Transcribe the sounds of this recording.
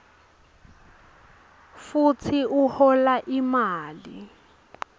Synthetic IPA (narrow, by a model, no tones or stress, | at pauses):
fut͡sʰiʔuhɔlaʔimaːli